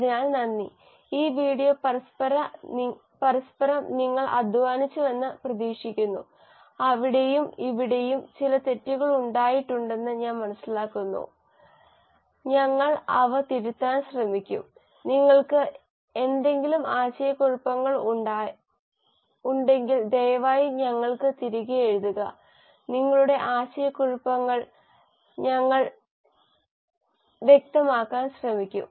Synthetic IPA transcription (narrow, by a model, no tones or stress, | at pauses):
ɐðɲaːnnɐnːi | iːʋiːɽijopɐɾɐspɐɾɐ | pɐɾɐspɐɾɐmniŋːɐɭʔɐ̰d̪ʱʋaːnit͡ɕːuʋɐnːɨprɐðiːʂikʲːunːṵ | ɐʋiɽejumiʋiɽe̞jumt͡ɕilɐt̪e̞tːiɣɐɭuɳɖaːjiʈːuɳɖe̞nːɨɲaːnmɐnɐsːilaːkːunːṵ | ɲɐŋːɐɭɐʋɨt̪iɾut̪ːaːnɕrɐmikʲːṵm | niŋːɐɭkɨ | e̞nd̪e̞ŋɡilumaːɕɐjɐkuɻupːɐŋːɐɭɖa | uɳɖe̞ŋɡild̪ejɐʋaːjiɲɐŋːɐɭkɨt̪iɾuɣɐjeɻuðuɣɐ | niŋːɐɭuɽe̞ʔaːɕɐjɐkuɻupːɐŋːɐɭ | ɲɐŋːɐɭ | ʋje̞k̚t̪ɐmaːkːaːnɕrɐmikʲːṵm